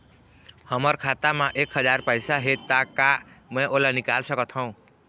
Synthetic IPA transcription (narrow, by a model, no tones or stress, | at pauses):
həməɾkʰaːt̪amãʔeːkɦəd͡ʒaːɾpəɪsaɦet̪akamɛ̃ʔolanɪkaːlsəkət̪ʰɦə̃ũ